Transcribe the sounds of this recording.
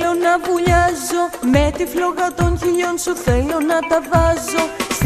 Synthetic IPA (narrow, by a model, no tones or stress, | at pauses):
o̞nɐvuʎɐzo̞met̪ifloɣɐt̪onçiʎonsuθelo̞nɐt̪ɐvɐzo̞s